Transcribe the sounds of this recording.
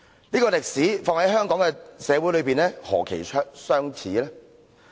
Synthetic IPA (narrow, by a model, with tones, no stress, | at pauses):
niː˥kɔː˧lɪ˨k̚siː˨˥fɔː˧ŋhɐ˨˥jhœː˥ŋkɔː˨˥ŋkɛ˧sɛː˨˧wu˨˥jlɵ˨˧ɥpiː˨nlɛː˥hɔ̰ː˨˩kʰe˨˩jʰsœː˥ŋt͡sʰiː˨˥lɛː˥